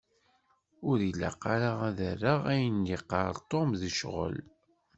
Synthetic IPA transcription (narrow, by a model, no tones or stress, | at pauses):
ʊɾilːa̰qːɑɾaʁæðərːəʁæjənjiqːɑɾˤt̪ˤːomðiʃʁə̰l